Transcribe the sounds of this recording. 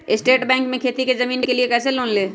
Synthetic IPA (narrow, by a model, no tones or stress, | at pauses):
ɪsʈeːʈbɛ̃ːŋkmẽkʰeːt̪ikezɐmiːnkekeliekɛːseloːnleː